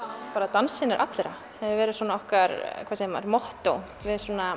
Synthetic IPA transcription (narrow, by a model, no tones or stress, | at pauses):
paːɾat̪ansɪnɪɾʔa̰t̪lɛɾa̰ | hɛvɪvɛːɾɪðswɔːnaɔhkaɾkʰvasema̰ɾmɔht̪ow | vɪðsuɔːna